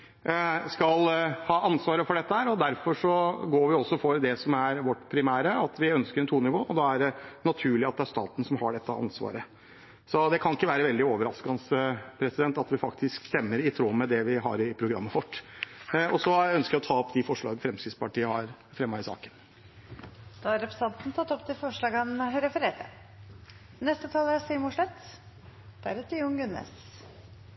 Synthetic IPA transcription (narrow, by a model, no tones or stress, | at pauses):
skɑlhɑːʔɑnsʋɑːɾəfɔɖɛt̪ːəhæːɾɔd̪æɾfɔʂɔɡoːɾʋɪɔsːɔfɔɾd̪ɛsɔmæɾʋɔʈːpʰɾɪmæːɾəɑt̪ʋɪœnskəɾɛnt̪ʰuːnɪʋoːɔd̪ɑæɖɛnɑt̪ʰʉːɭɪɑt̪d̪ɛæɾʂst̪ɑ̰ːt̪n̩sɔmhɑɖɛt̪ːəʔɑ̰nsʋɑ̰ːɾə | sɔd̪ɛkʰɑnɪkːəʋæːɾəʋɛld̪ɪoːʋəɾɑskɑnspʰɾɛsɪd̪ɛnt̪ɑt̪ʋɪfɑkt̪ʰɪskst̪ɛmːəɾɪt̪ʰɾoːmɛd̪ɛʋɪɦɑ̰ɾɪpʰɾʊɡɾɑ̰mːəfɔʈː | ɔsɔæœnskəɾjæɔt̪ʰɑːɔpd̪ɪfɔʂɭɑ̰ːɡəfɾɛmskɾɪspɑʈiːəhɑɾfɾɛmːɑɪsɑ̰ːkən | d̪̥ɑːɑɾɛpɾə̥sɑnt̪n̩t̪ʰɑt̪ːɔpt̪ʰɪlfɔʂɭɑːɡɑnɾɛfəɾeːɾə̰ | nɛst̪ət̪ʰɑːləæsimʊʂɭɛt̪ | d̪̥æɾɛt̪ʰɪʊŋɡʉnːḛs